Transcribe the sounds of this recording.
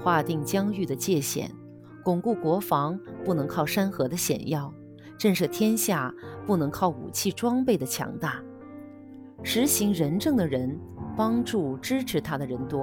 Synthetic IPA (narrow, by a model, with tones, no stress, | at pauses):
xwa˥˧t̪i˥˩ŋt͡ɕjɑ˥ŋy˥˩d̪ə˩t͡ɕjɛ˥˩ɕjɛ̰˨˩˦n | kʊ˨˩ŋku˥˩kwɔ˧˥fɑ˧˥ŋpu˥˩nɤ˧˥ŋkʰɑ˥˩ʊʂa˥nxɤ˧˥d̪ə˧ɕjɛ̰˨˩njɑ˥˩ʊ | ʈ͡ʂə˥˧nʂɤ˥˩t̪ʰjɛ˥nɕja˥˩pu˥˩nɤ˧˥ŋkʰɑ˥˩ʊṵ˨˩t͡ɕʰi˥˩ʈ͡ʂwɑ˥ŋpe˥˩ɪd̪ə˩t͡ɕʰjɑ̰˧˥ŋt̪a˥˩ | ʂɻ̩˧˥ɕi˧˥ŋɻə˧˥nʈ͡ʂɤ˥˩ŋd̪ə˩ɻə˧˥n | pɑ˥ŋʈ͡ʂu˥˩ʈ͡ʂɻ̩˥ʈ͡ʂʰɻ̩˧˥t̪ʰa˥d̪ə˨ɻə˧˥nt̪wɔ˥